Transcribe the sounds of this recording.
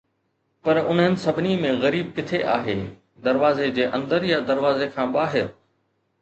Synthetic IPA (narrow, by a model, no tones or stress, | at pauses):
pɐɾʊnɦɪnɪ̆sɐbʱɪnimẽɣɐɾiːb̚kɪt̪ʰeʔaːɦeː | d̪ɐɾʋaːzed͡ʑeːʔɐ̃nd̪əɾjɐd̪ɐɾʋaːzekʰãːɓaːɦɪɾ